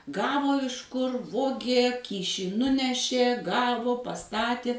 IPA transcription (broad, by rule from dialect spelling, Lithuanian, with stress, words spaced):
ˈɡɑːʋoː ˈɪʃ kʊr ˈʋoːɡʲeː ˈkʲiːʃʲiː ˈnʊnʲɛʃʲeː ˈɡɑːʋoː pɐˈstɑːtʲɪ